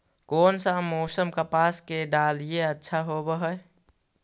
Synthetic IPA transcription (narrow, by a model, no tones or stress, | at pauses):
koːnsamoːsəmkapaːskeɖaːlijeətːʃʰaɦobəɦəe